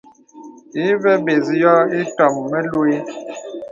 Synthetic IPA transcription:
i˨˦vɛ˦be˨zi˦jɔ˦i˦tɔ˨mːɛ˦lu˦i˦

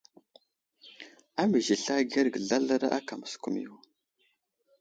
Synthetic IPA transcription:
a˦mə˨ʒi˨ɬa˦ɡa˦ɾɡə˨ɮa˦la˦ɾa˦ʔa˦ka˨mə˨sku˨mḭ˨ju˨

